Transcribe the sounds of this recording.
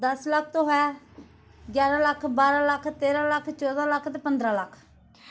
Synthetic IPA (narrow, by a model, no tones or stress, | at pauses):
d̪əslək̚ʰt̪õːɦɛː | ɡjaːɾaːləkʰbaːɾaːləkʰt̪eːɾãːləkʰt͡ʃɔːd̪aːləkʰt̪ɛːpənd̪ɾãːləkʰ